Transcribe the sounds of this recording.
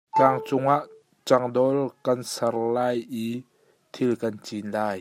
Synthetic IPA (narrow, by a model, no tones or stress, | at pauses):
kaŋt͡sʊŋaʔ | t͡saŋdɔlkɐnsarlaːjʔi | t̪ʰilkɐnt͡ɕinlaːj